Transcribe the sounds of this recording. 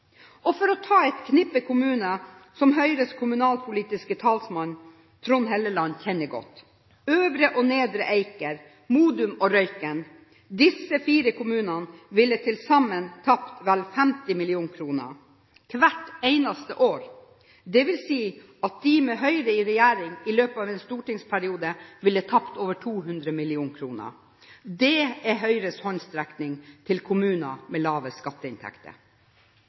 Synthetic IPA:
ɔfɔɾɔt̪ʰɑːɛt̪kʰnɪpəkʰʊmʉːnəsɔmɦœʏɾəskʰʊmʉnɑːlpʰʊliːt̪ɪskət̪ʰɑːlsmɑn | t̪ʰɾʊnɦɛləlɑnːçʰɛnːəɡɔ̰t̪ː | øːʋɾəʔɔneːd̪ɾəʔeɪkəɾ | muːd̪ʉmɔɾœʏkən | d̪ɪsəfiːɾəkʰʊmʉːnɑnʋɪlːət̪ʰɪlsɑmːənt̪ʰɑpt̪ʋɛlfɛmt̪ɪmɪlɪuːnkʰɾuːnə̰ | k̪ʰʋæʈeɪnɑst̪ə̰ʔoːɾ | d̪ɛʋɪlsiː | ɑt̪̚d̪ɪmɛɦœʏɾəɪɾɛjæːɾɪŋɪløːpəɑːʋɛːnst̪uːʈɪŋspʰæɾɪuːd̪əʋɪlːəət̪ʰɑpt̪oːʋəʈʰuːɦʉnd̪ɾəmɪlɪuːnkʰɾuːnə̰ | d̪ɛɛɦœʏɾəshɔnst̪ɾɛknɪŋt̪ʰɪlkʰʊmʉːnɑmɛlɑːʋəskɑt̪ːəɪnt̪ʰæ̰kt̪ə̰

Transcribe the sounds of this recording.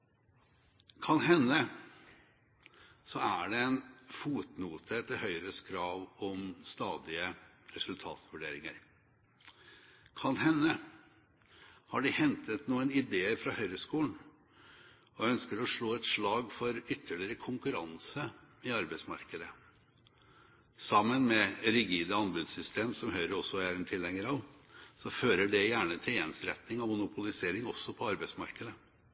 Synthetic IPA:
kʰɑnɦɛnːə | sɔæɖɛɛnfuːt̪nuːt̪ʰət̪ʰɪhœʏɾəskʰɾɑːʋɔmst̪ɑːd̪ɪə | ɾɛsʉlt̪ʰɑ̰ːt̪ʋʉɖeːɾɪŋə̰ɾ | kʰɑnhɛnːə | hɑɖɪhɛnt̪ʰət̪nuːənɪd̪eːəɾfɾɑhœʏɾəskuːln̩ | ɔœnskəɾɔʂɭoːɛt̪ʂɭɑːɡfɔɾʏt̪ʰːəɭɪɾəkʰʊŋkʉɾɑnsəɪɑɾbɛɪsmɑ̰ɾkəd̪ə | sɑmːənmɛɾɪɡiːd̪əɑnbʉd̪sʏst̪ʰeːmsɔmhœʏɾəɾɔsːɔæɾɛnt̪ʰɪlːɛŋəɾɑʋ | sɔføːɾəɖɛjæːɳət̪ʰɪljɛnsɾɛ̰t̪nɪŋɑmʊnʊpʰʊlɪseːɾɪŋɔsːɔpʰɔɑɾbæɪsmɑ̰ɾkəd̪ə

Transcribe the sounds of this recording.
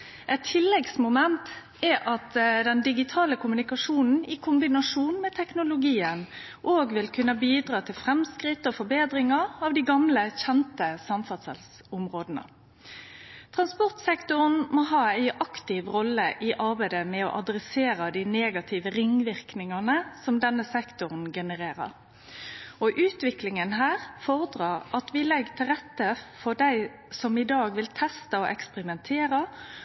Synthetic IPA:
ʔɛt̪ʰːɪlːɛɡsmʊmɛnt̪ | ɛʔɑt̪d̪ɛnd̪ɪɡɪt̪ʰɑːləkʰʊmʉnɪkɑʂuːnn̩ɪkʰʊmbɪnɑʂuːnmɛt̪ʰɛknʊlʊɡiːən | ʔoːɡʋɪlkʰʉnːəbiːd̪ɾɑːt̪ʰɪlfɾɛmskʁɪt̪ːɔfɔbeːd̪ɾɪŋɑɾɑːʋd̪ɪɡɑmləçɛnt̪əsɑmfɑsɛ̰ls | ʊmʁoːd̪ənə̰ | t̪ʰʁɑnspɔʁt̪sɛkt̪ʊʁnmɔɦɑːæɪʔɑkt̪ɪʋʁɔlːəʔɪʔɑʁbæɪd̪əmɛɔ̰ʔɑd̪ɾɛseːɾɑd̪ineːɡɑt̪ʰɪʋəɾɪŋːʋɪʁknɪŋɑnəsɔmd̪ɛnːəsɛkt̪ʊʁn̩ɡɛnəʁeːɾə̰ʁ | ɔʔʉːt̪ʋɪklɪŋənɦæːʁfɔʁəd̪ʁɑːʁɑt̪ʋɪlɛɡːt̪ʰɪlʁɛt̪ːəfɔɖ̪æɪ | sɔmɪd̪ɑːɡʋɪlt̪ʰɛst̪ɑɔʔɛkspəʁɪmɛnt̪ʰeːɾɑ

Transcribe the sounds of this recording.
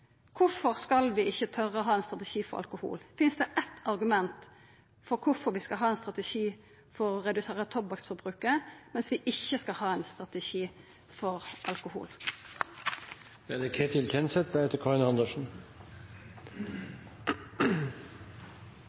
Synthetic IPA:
kʰʊfɔʁskɑlʋɪɪçːət̪ʰœʁəɔɦɑːɛnst̪ʁɑt̪ɛʃiːfɔʁɑ̰lkʊhṵːlfɪnsd̪ɛʔɛt̪ʰːɑɾɡʉmɛnt̪ | fɔʁkʰʊfɔʁʋɪskɑlɦɑːɛnst̪ʁɑt̪ɛʃiː | fɔʁːɛd̪ʉseːʁət̪ʰɔpbɑksfɔɾbʁʉːkəmɛnsʋɪʔɪçːəskɑlhɑːɛnst̪ʁɑt̪ɛʃiː | fɔʁʔɑlkʊhṵːl | æd̪ɛkʰeːt̪ʰɪlt̪ʰɛnsɛt̪̚d̪æhɛt̪əkʰɑʁɪnhɑnd̪əʂn̩

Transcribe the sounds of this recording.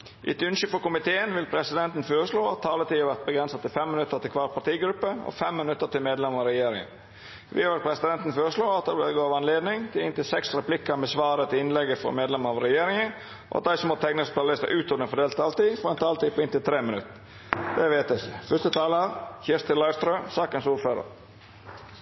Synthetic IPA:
ʔɪ̰t̪ʉnʃʏfɔɾkʊmɪt̪ʰeːənʋɪlpʰɾɛsɪd̪ɛnt̪n̩føːɾəʂloːɑt̪ʰːɑːlət̪iːɑʋæɾt̪̚bəɡɾɛnsɑt̪ɪlfɛmːɪnʉt̪ːəɾt̪ɪlkʰʋɑːɾpʰɑt̪iːɡɾʉpːəɔ̰fɛmːɪnʉt̪ːət̪ɪlmeːd̪lɛməɑɾɛjeːɾɪ̰ŋə̰n | ʋɪ̰ɑʋɛɾpʰɾɛsɪd̪ɛnt̪n̩føːɾəʂloːɑt̪̚d̪ɛblɛɡoːɑʋɑnleːd̪nɪŋt̪ʰɪlɪnt̪ɪlsɛksɾɛplɪkəɾmɛsʋɑːɾət̪ʰɪlɪnlɛɡəfɔ̰meːd̪lɛməɑʋɾɛjeːɾɪŋən | ʔɔ̰ɑ̰d̪æɪsɔmoːt̪ʰɛknəsp̪ʰɑːlɪst̪ə̰ʔʉːt̪ɔd̪əfɔɖ̪eːlt̪ʰɑːlət̪iːfɔɾɛnt̪ʰɑːlt̪iːpʰɔɪnt̪ɪlt̪ʰɾeːmɪnʉt̪ː | d̪̥ɛʋeːt̪ɛçəfœst̪ət̪ʰɑːləhæɾçɪɾst̪ʰəlɑɪst̪ɾøːsɑːkənsuːɾføːɾə̰ɾ

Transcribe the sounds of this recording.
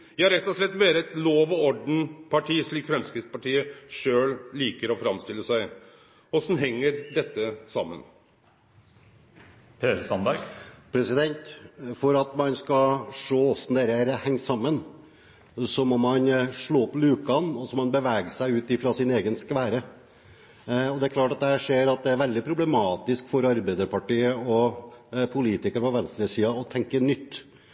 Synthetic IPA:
jæɑɾɛt̪ːɔʂɭɛt̪ːʋeːɾəɛt̪loːʋɔɔɖn̩pʰɑʈʰiːʂɭiːkfɾɛmskɾɪt̪spɑʈiːəʂøːlliːkəɾɔfɾɑmst̪ɪlːəsæɪ | ɔsn̩ɦɛŋːəɾd̪ɛt̪ːəsɑmːə̰n | pʰeːɾəsɑnd̪ɑɡpʰɾɛsɪd̪ɛnt̪fɔɾɑt̪mɑnskɑʂoːɔsnd̪eːɾəæɾhɛŋːsɑmːən | sɔmɔmɑnʂɭoːɔplʉːkɑnɔsɔmɑnbəʋæːɡəsæɪʉːt̪ɪfɾɑsɪneːɡənskʋæːɾə | ɔd̪ɛæɾkʰlɑːʈɑt̪̚d̪ɛæʂeːɾɑt̪̚d̪ɛæɾʋɛld̪ɪpʰɾʊblɛmɑːt̪ɪskfɔɾɑɾbæɪd̪əɾpʰɑʈiːəɔ | pʰʊliːt̪ɪkəɾpɔʋɛnst̪ɾəsiːɑɔt̪ʰɛŋkənʏt̪ː

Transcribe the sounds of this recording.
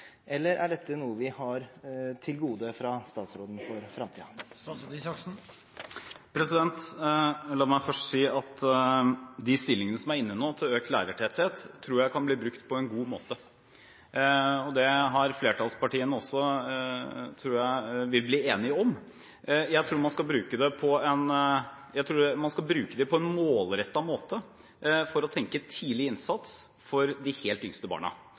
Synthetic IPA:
ʔɛlːəɾʔæ̰ɖɛt̪ʰːənuːəʋɪhɑɾt̪ʰɪlɡuːd̪əfɾɑst̪ɑːt̪sɾoːd̪n̩fɔɾfɾɑmt̪ʰiː | ksn̩ | pʰɾɛsɪd̪ɛnt̪ | lɑːmæɪfœʂʈsiːɑt̪ | d̪ɪst̪ɪlːɪŋənəsɔmæɾɪnːənoːt̪ʰɪløːk̚t̪læ̰ːɾəʈʰɛt̪heːt̪ʰːɾuːɾjæɪkɑnbliːbɾʉkt̪pʰɔɛnɡuːmoːt̪ə | ɔd̪ɛɦɑɾfleːʈʰɑːlspɑʈiːənəɔsːɔ | t̪ʰɾuːɾjæɪʋɪlbliːeːnɪɔm | jæɪt̪ʰɾuːɾmɑnskɑlbɾʉːkəd̪ɛpʰɔɛnjæɪt̪ʰɾuːmɑnskɑlbɾʉːkəd̪ɛpʰɔɛnmoːlɾɛt̪ːɑmoːt̪ə | fɔɾɔt̪ʰɛŋkət̪ʰiːlɪɪnsɑt̪s | fɔɾd̪ɪheːlt̪ʏŋst̪əbɑ̰ːɳɑ̰

